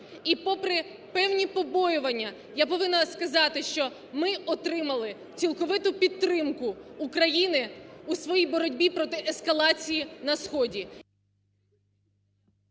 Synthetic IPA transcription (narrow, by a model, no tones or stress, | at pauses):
ipɔpɾɪ | pɛwnʲipɔbɔjʊʋɐnʲːɐ | japɔʋɪnɐskɐzɑt̪ɪʃt͡ʃɔ | mɪɔt̪ɾɪmɐlˠɪ | t͡sʲilˠkɔʋɪt̪ʊpʲid̪ːɾɪmkʊːkɾɐjinɪusʋɔjijbɔɾɔdʲbʲipɾɔt̪ɪʔɛskɐlˠɑt͡sʲijinɐsxɔdʲi